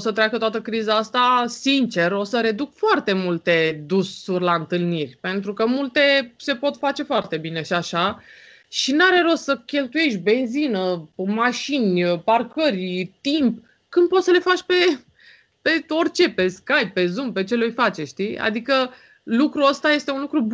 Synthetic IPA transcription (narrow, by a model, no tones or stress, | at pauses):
sət̪ɾeakət̪oat̪əkɾizaast̪asint͡ʃe̞ro̞səɾe̞d̪ukfoart̪e̞mult̪e̞d̪usːurʲlaɨnt̪ɨlnirʲpe̞nt̪ɾukəmult̪e̞se̞po̞t̪fat͡ʃe̞foart̪e̞bine̞ʃiaʃa | ʃinaɾe̞ɾo̞səkʲe̞lt̪uje̞ʃbe̞nzinəmaʃinʲəparkərʲt̪imp | kɨnd̪̚po̞t̪səle̞fat͡ʃʲpe̞ | pe̞orʲt͡ʃe̞pe̞skajppe̞zumpe̞t͡ʃe̞lojfat͡ʃeʃt̪ia̰d̪ikə | lukɾuəst̪aje̞st̪e̞unlukɾu